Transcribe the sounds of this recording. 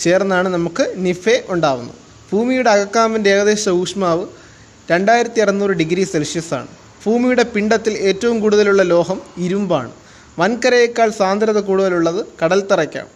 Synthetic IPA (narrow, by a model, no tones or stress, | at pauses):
t͡ɕe̞ːrnːðaːɳɨnɐmukːɨnifeʔuɳɖaːʋṵnːṵ | bʱuːmijuɽeɐɣɐkːaːminde̞ːɡɐðe̞ːɕɐuːʂmaːʋɨ | ɾe̞ɳɖaːjiɾɐt̪ːiɐrɐnːuːrɨɖiɡɾiselʂjɐsa̰ːɳɨ | b̥ʱuːmijuɽe̞piɳɖɐt̪ːile̞ːtːɐʋumkuːɽuðɐluɭːɐlo̞ːɦɐmiɾumba̰ːɳɨ | ʋɐnkɐɾɐjekːaːɭsaːnd̪ʱɾɐðɐkuːɽuðɐluɭːɐðɨkɐɽɐlt̪irɐkʲːa̰ːm